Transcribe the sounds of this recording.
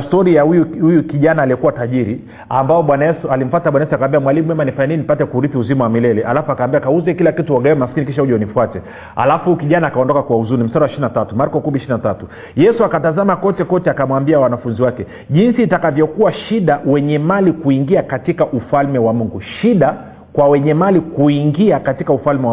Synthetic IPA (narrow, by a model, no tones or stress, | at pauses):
stɔɾijahujuhujukiʄanaːliɛkuwataʄiɾi | ambaɔɓwanajɛsualim̩fataɓwanajɛsuakawambiamwalimumɛmanifaɲaninipatɛkuɾiθiuzimawamilɛlɛʔa̰lafuakawːmbiakauzɛkilakituaɡaɛwɛmaskinik̬iʃauʄɔɔnifwatɛ | a̰lafukiʄanaːkaɔndɔkakwauzuɾnim̩staɾiwaʃininatatumaɾkɔkumiʃiinatatu | jɛsuakatazamakɔtɛkɔtɛakamwambiawanafunziwakɛ | ʄinsitakavjɔkuwaʃiɗawɛɲɛmalikuiŋɡiakatikaʔufalmɛwamuŋɡuʃiɗa | kwawɛɲɛmalikuiŋɡiakatikaufalmɛa